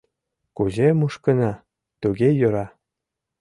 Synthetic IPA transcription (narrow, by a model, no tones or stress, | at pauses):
kuzemuʃkə̆nɑ | t̪uɣejøɾɑ